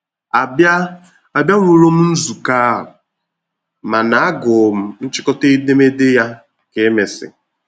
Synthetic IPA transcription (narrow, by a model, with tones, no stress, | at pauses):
a˨ba˦ | a˨bja˦ŋʷu˦˨ɾo˦m̩˦n̩˦zu˨ka˦ɦʊ˨ | ma˨na˨a˦ɡʊ˨m̩˦n̩˦t͡ʃɪ˦kɔ˦te˦i˦de˦me˦dɪ˦ja˦ | ke˨˦me˨sɪ̰˨